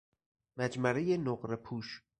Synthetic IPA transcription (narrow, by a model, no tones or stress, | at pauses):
mæd͡ʒmæɾejenoɢɾepʰuːʃ